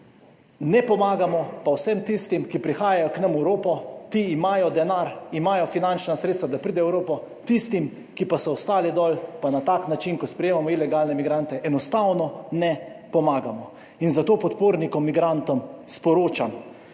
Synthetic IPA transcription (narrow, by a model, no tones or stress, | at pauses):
nɛpɔmaːɡamɔpawsɛmt̪ist̪imkipɾixaːjajɔknɐmɛwɾoːpɔt̪iːmaːjɔd̪ɛnaɾimaːjɔfinant͡ʃnasɾet̪st̪ʋad̪apɾiːd̪ɛɛwɾoːpɔ | t̪ist̪im | kipasɔɔst̪aːlid̪ɔːlpanat̪aːknat͡ʃinkɔspɾɛjeːmamɔilɛɡalnɛmiɡɾant̪ɛʔɛnɔst̪awnɔnɛpɔmaːɡamɔ | inzat̪oːpɔt̪poːɾnikɔmːiɡɾant̪ɔmspɔɾoːt͡ʃam